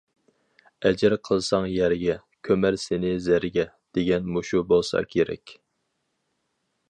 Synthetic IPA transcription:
ɛd͡ʒɪɾqʰəlˠsɑŋjæɾɡʲɛ | kʲʰømæɾsɪnɪzæɾɡʲɛ | d̪̥eɡʲɛnmuʃubolˠsɑ̰kʲʰeɾɛ̰kʲ

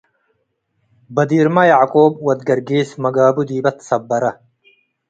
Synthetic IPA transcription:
bɐd̪iːɾmɐjaʕkoːbwɐd̪ɡɐɾɡiːsmɐɡaːbud̪iːbɐt̪sɐbːɐɾɐ

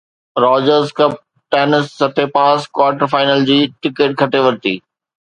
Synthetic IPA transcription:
ɾɔːd͡ʑəɾzkɐp̚ | ʈeːnɪsːɐt̪ʰepaːskwaːʈəɾfaːɪnəld͡ʑiːʈɪkeːʈ̚kʰɐʈeʋɐɾt̪ḭː

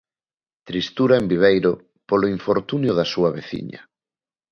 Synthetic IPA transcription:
t̪ɾist̪uɾaembiβ̞ejɾʊ | poloiɱfoɾt̪unjʊðɐsuɐβeθḭɲɐ̰

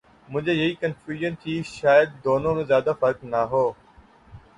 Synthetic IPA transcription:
mʊ̃ɦɪ̃ɲd͡ʑejɐiːkənfjuːʒənt̪ʰiːʃaːjəd̪̚ːoːnõmẽzjaːd̪afɐɾknaɦoː

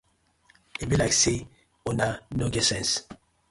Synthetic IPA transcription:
ebilakse | onanoɡɛsɛ̃ns

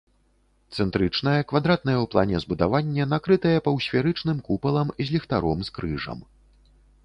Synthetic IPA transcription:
t̪sɛnt̪ɾɨt͡ʂnɐjɐkvad̪ɾat̪nɐjɛwplˠa̰nʲɛzbud̪avanʲːɛnakɾɨt̪ɐjɛpɐwsʲfʲaɾɨt͡ʂnɨmkupɐlˠɐmzʲlʲixt̪aɾɔmskɾɨʐɐ̰m

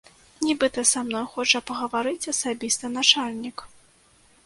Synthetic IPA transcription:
nʲibɨt̪ɐsamnɔjxɔt͡ʂɐpɐɣɐvaɾɨt͡sʲɐsabʲist̪ɐnat͡ʂalʲnʲik

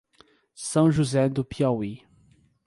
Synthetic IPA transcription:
sɐ̃w̃ʒuzɛd̪ʊpʰiawi

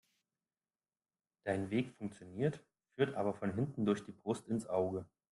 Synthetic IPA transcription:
d̥aɪnveːkfʊŋk̚t͡sjoniːɐt | fyːɐtʔaːbɐfɔnɦɪntn̩dʊɐçd̥iːbʁʊstɪnsʔaʊɡə

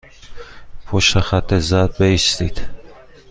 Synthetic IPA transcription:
pʰoʃt̪exæt̪ʰːezɒd̪̚beist̪id̪̥

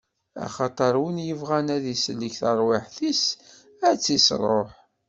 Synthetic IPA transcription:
æ̰χɑt̪ˤɑɾˤwənjəvʁænæðisəlːəçθəɾˤwɪħθis | æt͡sːisɾˤoħ

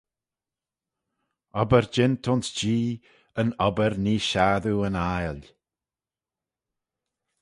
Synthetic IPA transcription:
ɔbəɹd͡ʒɪnt̪ʰʊnsd͡ʒiː | ənɔbəɾniːʃaːðuənajl

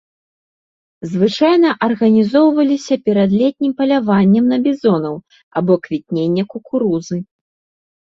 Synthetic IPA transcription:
zvɨt͡ʂajnɐʔɐrɣɐnʲizɔwvɐlʲisʲɐpʲɛɾɐd̪lʲɛt̪̚ʲnʲimpɐlʲavanʲːɐmnɐbʲizɔnɐw | abɔkvʲit̪̚ʲnʲenʲːɐkukuɾuzɨ

